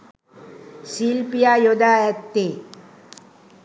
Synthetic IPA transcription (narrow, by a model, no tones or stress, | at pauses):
silpijajod̪aɛt̪ːe